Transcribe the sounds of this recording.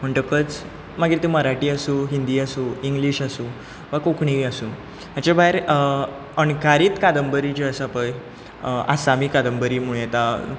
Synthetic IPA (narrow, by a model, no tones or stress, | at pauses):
m̤əɳʈəkət͡s | maɡiɾt̪iməɾaʈiːasũːɦind̪iːasũːiŋɡliːɕasũː | ʋakokɳ̃iasũː | at͡ɕabʱaeɾ | ənkaɾiːt̪kad̪əmbəɾit͡ɕeəsapəj | a̰samiːkad̪əmbəɾiːmuɭjet̪a